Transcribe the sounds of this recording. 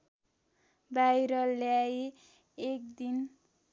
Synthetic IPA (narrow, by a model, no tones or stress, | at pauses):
bajɾʌljai | ek̚d̪in